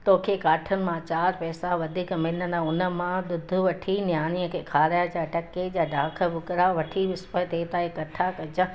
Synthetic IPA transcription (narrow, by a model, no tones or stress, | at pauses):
t̪oːkʰekaːʈʰənɪ̆mãt͡ɕaːɾpɛːsaʋɐd̪ʱiːkmɪnənaʊnə̆mãd̪ʊd̪ʱʊʋɐʈʰinjaːnijə̃kʰeːkʰaːɾjad͡ʑaʈɐkːed͡ʑaːɖʱaːkʰəbʱʊkɾaʋɐʈʰiʋɪspət̪eːt̪aːekɐʈʰakɐd͡ʑə